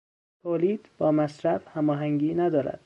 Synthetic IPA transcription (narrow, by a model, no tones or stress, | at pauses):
t̪ʰoːliːd̪̥bɒːmæsɾæfhæmɒːɦæŋɡiːnæd̪ɒːɾæ̰d̪̥